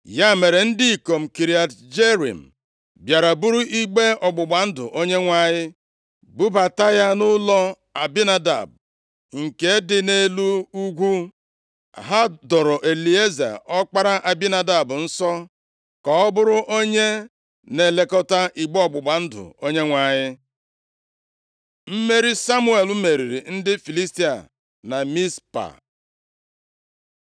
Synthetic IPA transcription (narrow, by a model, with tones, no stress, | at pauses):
ja˦˨me˨ɾe˨n̩˦dɪ˦i˨ko˨m̩˨ki˨ɾi˨a˨td͡ʒe˦ɾḭ˨m̩˨ | bja˨ɾa˨bu˦ɾu˦ʔi˦ɡ͡be˦ɔ˨ɡ͡bʊ˨ɡ͡ba˨n̩˦dʊ̰˨ʔo˦ɲe˦ŋʷa˦˨ɲɪ˦ | bu˦ba˨ta˦ja˦nʊ˦lɔ˦ | a˨bi˦na˦da̰˨b̚ | ŋ̩˨ke˦dɪ˨ne˦lu˦u˦ɡʷu˦ | a̰˨ɦa˦dɔ˨ɾɔ˨ʔe˨li˨e˦za̰˨ʔɔ˦k͡pa˦ɾa˦ʔa˨bi˦na˨da˨bʊ˨n̩˦sɔ˦ | kɔ˨ɔ˦bʊ˦ɾʊ˦ʔo˦ɲe˦ | ne˨le˦kɔ˦ta˦ʔi˨ɡ͡bɔ˨ɡ͡bʊ˨ɡ͡ba˨n̩˦dʊ̰˨o˦ɲe˦ŋʷa˨ɲɪ˦ | m̩˦me˦ɾi˦sa˦mu˦e˨lu˦me˨ɾi˨ɾi˨n̩˦dɪ˦fi˨li˦sti˦a̰˨ | na˨mi˦spa̰˨